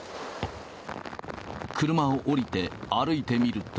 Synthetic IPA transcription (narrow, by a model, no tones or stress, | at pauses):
kɯɾɯ̟maoʔoɾʲit̪e̞aɾɯ̟it̪e̞mʲiɾɯ̟t̪